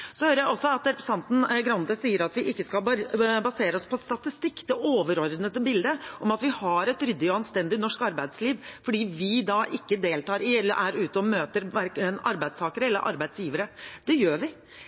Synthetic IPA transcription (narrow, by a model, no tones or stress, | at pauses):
sɔhøːɾəjæɪɔsːɔɑt̪ɾɛpɾə̥sɑnt̪n̩ɡɾɑnd̪əsiːəɾɑt̪ʋɪʔɪkːəskɑlbɑseːɾəɔspʰɔst̪ɑt̪ɪst̪ɪkːd̪ɛʔoːʋəɾɔɾd̪nət̪əbɪld̪əʔɔmɑt̪ʋɪhɑɾɛt̪ɾʏd̪ːɪɔɑnst̪ɛnd̪ɪnɔʂkɑɾbæɪd̪sliːʋfɔɖiːʋɪd̪ɑʔɪkːəd̪eːlt̪ɑːɾɪɛlːə̰ɾʔæɾʉːt̪əɔmøːt̪əɾʋæɾknɑ̰ɾbæɪst̪ʰɑːkəɾəɛlːəɾʔɑ̰ɾbæɪd̪sjiːʋəɾəd̪̥ɛjøːɾʋɪ